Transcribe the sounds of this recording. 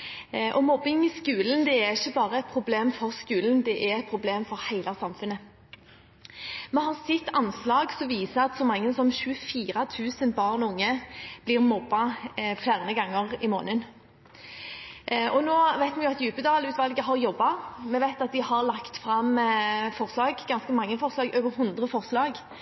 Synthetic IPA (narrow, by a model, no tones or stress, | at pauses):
ʔɔmɔbːɪŋɪskʉːlənd̪ɛæɾɪçːəbɑːʁəɛt̪̚pʰʁʊbleːmfɔʁskʉːlənd̪ɛʔæɾɛt̪̚pʰɾʁʊbleːmfɔɾhæɪlʔɑsɑmfʉnːə | mɛɦɑʁsɪt̪ːɑnslɑːɡsɔʋiːsəɑt̪sɔmɑŋːəsɔmɕʉːəfiːɾɑt̪ʰʉːsənbɑːʁnʊŋːəb̥liːʁmɔbːɑfjæːʁnəɡɑŋːəʁɪmo̰ːnən | ʔɔnoːʋæɪt̪mɛnjʊɑt̪jʉːpəd̪ɑːlʉːt̪ʋɑlɡəɦɑɾjɔbːɑmɛʋæɪt̪ɑt̪̚d̪ɪhɑɾlɑkt̪fɾɑmfɔʁslɑːɡɡɑnskəmɑŋːəfɔʁslɑːɡøːʋəɾɦʉnd̪ʁəfɔʁslɑːɡ